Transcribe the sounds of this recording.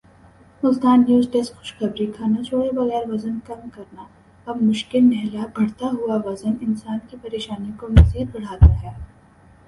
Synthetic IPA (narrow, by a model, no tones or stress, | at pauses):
ʊzd̪aːnːjuːzʈeskxʊ̥ʃxɐbɾikʰaːnat͡ʃʰoːɽebɐɣɛːɾʋɐzənkɐmkɐɾna | ɐbmʊʃkɪlnɛɦlabʱɐɽt̪aɦuaʋɐzənɪnsaːnkipɐɾeːʃaːnikoʋɐsiːd̪̚bɐɽ̤aːt̪aɦɛ